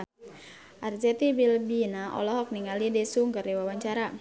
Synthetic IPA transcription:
ʔard͡ʒɛt̪ibilbinaʔɔ̰lɔɦɔk̚niŋalidesuŋɡardewawaɲt͡ʃaɾa

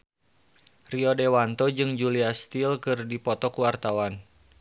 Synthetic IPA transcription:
riɔdewant̪ɔd͡ʒɨŋd͡ʒuliast̪ilkɨrdipɔt̪ɔkuwart̪awan

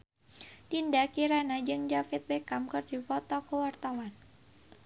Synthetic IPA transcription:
tindakiɾanad͡ʒɨŋd͡ʒafit̪̚bɛkamkɨrdifɔt̪ɔkəwart̪awan

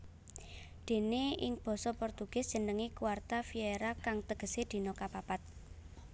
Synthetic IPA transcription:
d̪̥e̤neɪ̰ŋb̥ɔ̤sɔpɔrt̪uɡ̥ɪ̤sd̥ʒ̥ə̤nəŋikuwart̪afieɾakaŋt̪əɡ̥ə̤sed̪̥i̤nɔkapapat̪̚

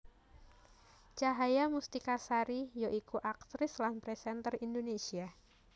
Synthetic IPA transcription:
t͡ʃaɦajamust̪ikasaɾijoʔikuʔak̚t̪ɾɪslanpɾɛsɛnt̪ərindonesia

